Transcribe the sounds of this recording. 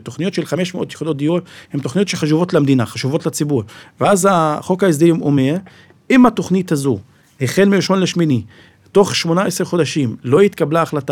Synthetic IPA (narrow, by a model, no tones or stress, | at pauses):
to̞χnijotʃelχameʃmeʔo̞t̪jeχud̪o̞t̚d̪ijothemt̪o̞χnijo̞t̪ʃeχaʃ̬uvo̞t̪lamd̪inaχaʃuvo̞tlat͡sibuʁveazaχo̞kaes̬d̪elimʔo̞̰me̞ʁ | imato̞χnit̪hazu | heχe̞lmiiʃo̞nleʃmini | to̞χʃmo̞naeseχo̞d̪aʃimloit̪kablaːχlata